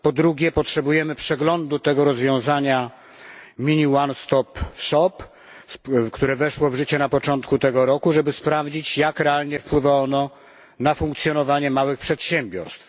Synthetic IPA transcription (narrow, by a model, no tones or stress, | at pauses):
pɔd̪ɾuɡʲɛpɔtʂɛbujɛmɘpʂɛɡlɔnd̪ut̪ɛɡɔɾɔzvʲjɔ̃w̃zaɲa | mʲiɲiwanst̪ɔpʂɔp | kt̪uɾɛvɛʂwɔvʐɘt͡ɕɛnapɔt͡ʂɔnt̪kut̪ɛɡɔɾɔkuʐɛbɘspɾavd͡ʑit͡ɕjakɾɛalɲɛfpwɘvaɔnɔ | nafuŋk̚t̪sʲjɔnɔvaɲɛmawɘxpʂɛt̪ɕɛmbʲjɔɾst̪f